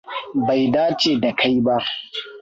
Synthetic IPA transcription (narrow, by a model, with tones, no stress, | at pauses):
ba˨jdaː˦t͡ʃeː˨da˨kʰa˦jba˦ʔ